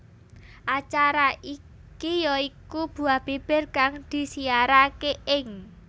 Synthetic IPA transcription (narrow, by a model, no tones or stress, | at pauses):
ʔat͡ʃaɾaʔi | kijɔikub̥ṳab̥eb̥ɪ̤rkaŋd̪̥i̤siaɾakeʔɪŋ